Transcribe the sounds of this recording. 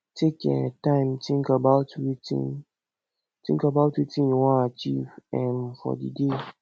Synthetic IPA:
tʰekɛ̰̃tãɪ̃mtʰĩŋkabaʊtwitḭ̃n | tĩŋkabaʊtwitĩnjuwɔ̃nat͡ʃivɛ̃nfɔ̰dḭde

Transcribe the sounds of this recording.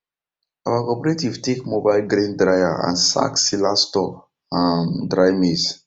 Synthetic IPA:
awakɔpɛɾetivtekmobajlɡɾẽndɾajaã̰nsa̰ksilastɔk | ãndɾajmes

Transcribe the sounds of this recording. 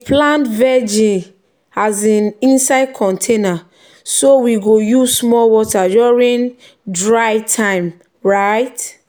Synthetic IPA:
plãntvɛd͡ʒĩn | azãnĩnsaɪd̚kʰɔ̃ntʰena | sowiɡojuzsmɔlwɔtajɔɹĩn | dɹajtʰãɪ̃m | ɹaɪt

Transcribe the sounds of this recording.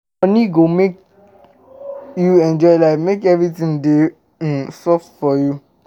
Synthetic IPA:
ɔniɡomek | juɛ̃nd͡ʒɔɪlaɪmekɛvɹitĩŋde | sɔffɔju

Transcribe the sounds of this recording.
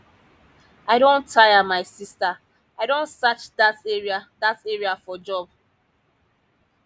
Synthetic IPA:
aɪɾõntʰajamaɪsista | aɪɾõnsat͡ʃdateɹiadateɹiafɔd͡ʒɔb̚

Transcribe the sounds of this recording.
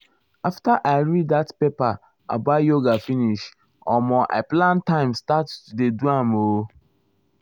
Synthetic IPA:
aftaʔaɪɾiddatpepa | a̰bajoɡafiniʃ | ɔmɔʔa̰plãntãɪmstattudeduamo

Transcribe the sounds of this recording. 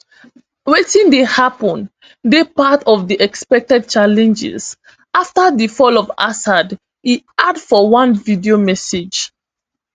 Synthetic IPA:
wetĩndehapɔ̃n | depatɔvdiʔɛkspɛk̚tɛd̚t͡ʃalɛ̃nd͡ʒɪ̰z̥ | aftadifɔlɔva̰sad | iadfɔwãnvidiomɛsed͡ʒ

